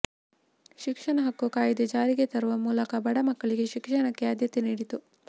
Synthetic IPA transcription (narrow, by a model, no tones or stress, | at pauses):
ʃikʂɐɳɐɦɐkːukaːjɐd̪ed͡ʒaːɾiɡe̞t̪ɐɾuʋɐmuːlɐkɐbɐɽɐmɐkːɐɭiɡeʃikʂɐnɐkːeɐd̪jɐt̪eniːɽit̪u